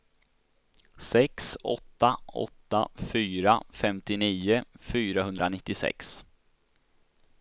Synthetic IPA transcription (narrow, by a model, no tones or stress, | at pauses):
sɛksɔ̰t̪ːaɔ̰t̪ːa̰fyːɾafɛmt̪ɪniːʊfyːɾaɦɵnd̪ɾanɪt̪ːɪsɛ̰ks